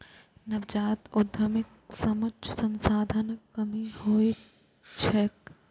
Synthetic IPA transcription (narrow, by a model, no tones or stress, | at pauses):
nɐbd͡ʒaːt̪ʊd̪ʱɐmɪksɐmɐt͡ʃʰsɐnsaːd̪ʱɐnkɐmihoːi | t͡ʃʰɛk